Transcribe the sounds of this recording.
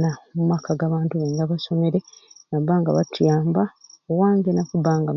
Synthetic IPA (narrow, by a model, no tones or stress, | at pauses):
namumakaɡaβaːntuβeŋɡaβaso̞me̞ɾenabaːŋɡa̰βatjaːmbaowaːŋɡenakubaːŋɡam